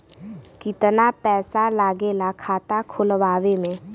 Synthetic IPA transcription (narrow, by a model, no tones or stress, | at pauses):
kɪt̪napɛːsalaːɡeːlakʰaːt̪akʰʊlʋaːʋemẽː